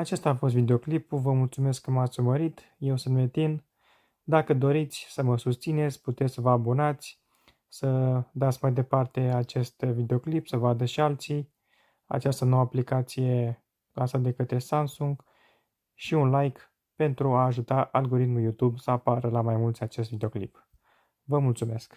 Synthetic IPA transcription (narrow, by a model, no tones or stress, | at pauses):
at͡ʃest̪aːfo̞s̬t̪vid̪e̞o̞klipuvəmult̪sume̞skːəmat̪sʲuməɾit̪ | je̞wsunt̪met̪in | d̪akəd̪o̞ɾit̪sʲsəməsust̪sine̞t̪sʲput̪e̞t̪ʲvəabo̞nat̪sʲ | səd̪at̪sʲmajd̪e̞part̪e̞at͡ʃe̞st̪vid̪eo̞klipsəvad̪əʃialt̪sij | a̰t͡ʃast̪əno̞wəaplikat̪sije̞ | lansat̪̚d̪e̞kət̪ɾe̞samsuŋɡ | ʃiunlajk | pe̞nt̪ɾuaːʒut̪aʔalɡo̞ɾit̪muljut̪ubsəapaɾəlamajmult̪sʲat͡ʃe̞st̪vid̪eo̞klḭp | vəmult̪sume̞sk